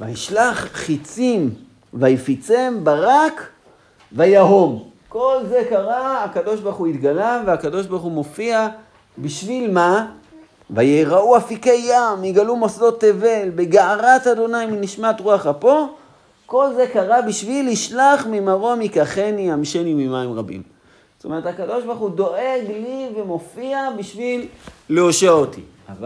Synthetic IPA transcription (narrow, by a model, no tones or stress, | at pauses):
va̰iʃlaχχit͡sim | vajfit͡sembaʁak | vajaɦo̞m | ko̞lze̞kaʁaakado̞ʃbaʁχuit̪ɡalaveakado̞ʃbaʁχumo̞fia | biʃvilma | vajeʁauafikejːamiɡalumosdo̞t̪ːeve̞lbeɡaaʁatado̞najminiʃmatʁuaχapo̞ | ko̞lze̞kaʁabiʃviliʃlaχmimaʁo̞mikaχeniamʃenimimaimʁabḭm | t̪o̞me̞etakado̞ʃbaʁχudo̞ʔe̞ɡlivemo̞fiabiʃvilːeoʃeaot̪ḭ | ava